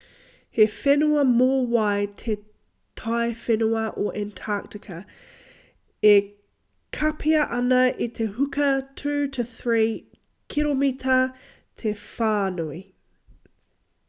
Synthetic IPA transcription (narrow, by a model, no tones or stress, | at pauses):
hefɛnuɐmoːwaj̚tʰe | tʰajfɛnuɐʔoʔɛntʰak̚tɪkʰɐ | e | kʰɐpʰiɐʔɐnɐʔit̪ʰehʉkʰɐtʰʉːtʰəθɹiː | kʰilomitʰɐ | tʰefaːnui